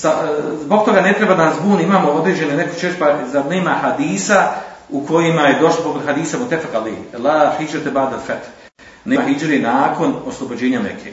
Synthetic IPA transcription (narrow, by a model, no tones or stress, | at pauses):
sazboɡ̚t̪o̞ɡanet̪ɾebad̪anasbuːniimaːmo̞od̪ɾeːd͡ʑe̞neneko̥t͡ʃeespazaneːmahad̪iːsaukʰo̞jimajed̪o̞ʃlˠopokod̪ɦad̪iːsamot̪ːefaqalḛːlaːhid͡ʒɾt̪ebaːd̪alfat̪h | neɦid͡ʒɾenaːko̞noslˠobod͡ʑeːɲanḛkʰḛ